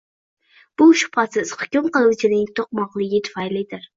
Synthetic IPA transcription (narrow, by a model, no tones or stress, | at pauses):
b̥uʃʊ̥pɾot̪sesχʊ̥kʲumqəlˠɨwt͡ʃʰid̪ɪŋʲt̪ʰoq̚mɑqlˠɨɡʲɪt̪ʰʊ̥fɑjlˠɪjd̪ɪɾ